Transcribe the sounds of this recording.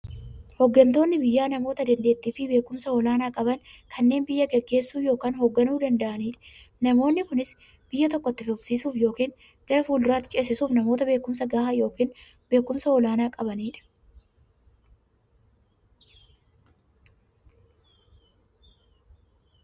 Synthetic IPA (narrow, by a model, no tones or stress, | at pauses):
hɔɡːɐnt̪o̞ːnːɪbɪjːaːnɐmo̞ːt̪ɐd̪ɐnd̪e̞ːt̪ːiːfɪbe̞ːkʊmsɐɔlaːnaːkʼɐbɐnkʰɐnːe̞ːnbɪjːɐɡɛɡːe̞ːsːuːjo̞ːkaːnɦɔɡːɐnuːd̪ɐnd̪ɐʔɐniːᶑɐ̥ | nɐmo̞ːnːɪkʊnɪs | b̥ɪjːɐt̪ɔkːɔt̪ːɪfʊfsiːsuːfjo̞ːkiːn | ɡ̥ɐɾɐfuːld̪ʊɾaːt̪ːɪ̥t͡ʃʼeːs̬ɪsuːfnɐmoːt̪ɐbe̞ːkʊmsɐɡaːhaːjo̞ːkiːn | be̞ːkːʊmsɐɔlaːnaːkʼɐbɐniːᶑɐ̥